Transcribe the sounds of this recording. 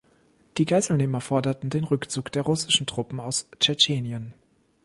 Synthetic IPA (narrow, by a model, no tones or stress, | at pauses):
d̥iːɡaɪzl̩neːmɐfɔɐdɐtn̩deːnʁʏkt͡suːkd̥eːɐʁʊsɪʃn̩tʁ̥ʊpm̩aʊst͡ʃɛt͡ʃeːnjən